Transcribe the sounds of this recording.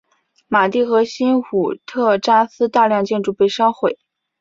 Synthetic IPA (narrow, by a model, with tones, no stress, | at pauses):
ma˨˩t̪i˥˩xɤ˧˥ɕi˥nxu˨˩t̪ʰɤ˥˧ʈ͡ʂa˥sɹ̩˥t̪a˥˧ljɑ˥˧ŋt͡ɕjɛ˥˧nʈ͡ʂu˥˧pe˥˩ɪʂɑ˥ʊxwe˥˩ɪ